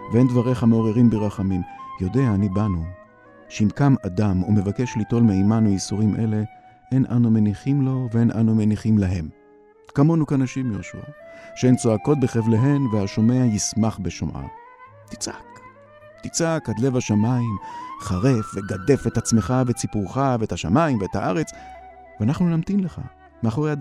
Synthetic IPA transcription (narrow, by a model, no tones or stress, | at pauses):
veendvaʁe̞χameoʁeʁimbeʁaχamimjo̞de̞aːnibanu | ʃeimkamadamume̞vake̞ʃlito̞lmeimanuisuʁimʔe̞̰le̞ | ʔenʔa̰numeniχimlo̞veenʔa̰numeniχimlaɦe̞m | kamo̞nukanaʃimjoʃṵa̰ʃeent͡soako̞t̚beχevleɦe̞nveaʃo̞me̞ajismaχbeʃomʔa̰ | t̪i̥t͡sʔak | t̪it͡sakad̪le̞vaʃamaimχaʁe̞fve̞ɡad̪e̞fetat͡sme̞χavet͡sipuʁχaveethaʃamaimveethaʔaʁe̞t͡s | veanaχnunamt̪imle̞χa̰ | meaχo̞ʁejad